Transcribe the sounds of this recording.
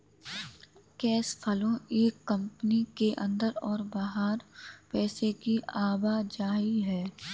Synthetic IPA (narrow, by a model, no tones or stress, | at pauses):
kɛːspʰɐlõeːkːɐ̃mpənikeʔə̰̃nd̪əɾɔːɾbaːɦaːɾpɛːsekiaːbad͡ʒaːiɦɛː